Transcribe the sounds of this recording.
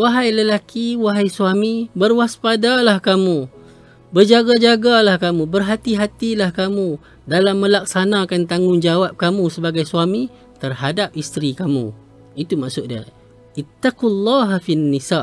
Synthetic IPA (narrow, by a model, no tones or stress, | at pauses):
waɦajləlakiwaɦajsuamibərwaspadalahkamũ | bərd͡ʒaɡad͡ʒaɡalahkamũbərɦat̪iɦat̪ilahkamũ | dalamːə̃lak̚sanãkant̪aŋʊnd͡ʒawap̚kamũsəbaɡajsuami | t̪ərhadap̚ist̪ɾikamṵ̃ | it̪umaʔsʊʔ̚diə̰ | ʔit̪ːaqulːaɦafianːisaʔ